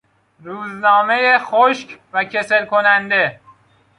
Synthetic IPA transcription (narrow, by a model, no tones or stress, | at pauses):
ɾuːznɒːme̞jexoʃkʰvæcʰe̞se̞lkʰo̞nænd̪e̞